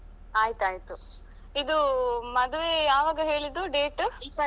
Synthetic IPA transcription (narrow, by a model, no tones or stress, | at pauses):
aːjit̪uaːjit̪u | id̪umɐd̪uʋejaːʋaːɡɐɦe̞ːɭid̪uɖeːʈ